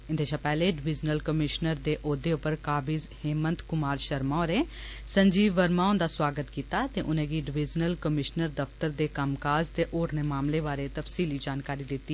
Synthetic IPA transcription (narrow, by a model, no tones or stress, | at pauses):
ɪnd̪eːʃʰãːpɛːleːɖɪʋɪd͡ʒnəlkəmɪʃnəɾd̪eːʔoːd̪eːʊpəɾkaːbɪzheːmənt̪kʊmaːɾʃəɾmãːɾeːsəɲd͡ʒiːəɾmãːʊnd̪aːswaːɡət̪kiːt̪aːt̪eːʔʊnẽːɡiːɖɪʋɪd͡ʒnəlkəmɪʃnəɾd̪əft̪əɾd̪eːkəmkaːzt̪eːʔoːɾneːmaːmleːbaːɾeːt̪əfsiːliːd͡ʒaːnkaːɾiːd̪ɪt̪ːiː